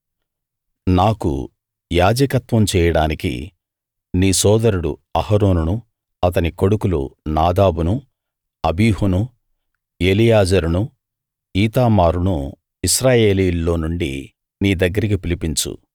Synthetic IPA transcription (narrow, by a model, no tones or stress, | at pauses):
naːkṵ | jaːd͡ʒɐkɐt̪ʋɐmt͡ʃɛːjɐɽaːnikḭ | niːsɔːd̪ɐɾuɽṵɐhɐɾoːnunu | ɐt̪ɐniko̞ɽukulṵnaːd̪aːbunu | ɐbiːhunu | eːlijaːd͡ʒɐɾunu | iːt̪aːmaːɾunu | iʃɾaːje̞ːliːlːo̞ːnuɳɖḭ | niːd̪ɐɡːɐɾikipilipint͡ʃṵ